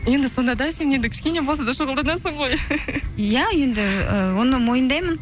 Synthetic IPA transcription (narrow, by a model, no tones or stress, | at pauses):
je̞nd̪ɪso̞nd̪ɑd̪ɑse̞ne̞nd̪ɪkʲʰɪ̥ʃkʲe̞ne̞bo̞lˠsɑd̪ɑʃəʁəlˠd̪ɑnɑsəɴʁo̞j | jɑje̞nd̪ɪəwo̞nəmo̞jənd̪ɑjmən